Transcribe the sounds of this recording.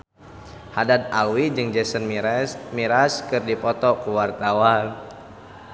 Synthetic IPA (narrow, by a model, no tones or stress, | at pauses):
hadat̪̚alwid͡ʒɨŋd͡ʒɛsənmiɾaskɨrdipɔt̪ɔkuwart̪awan